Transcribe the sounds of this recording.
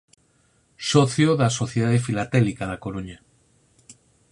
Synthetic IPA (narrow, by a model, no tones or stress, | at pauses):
soθjoðasoθjeðaðefilat̪ɛlikaðakoɾuɲa